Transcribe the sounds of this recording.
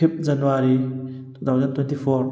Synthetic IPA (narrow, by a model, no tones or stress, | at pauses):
ip̚zɐnːuwaɾit̪ʰuːt̪ʰawzɐnt̪wɛnt̪ʰifɔɾ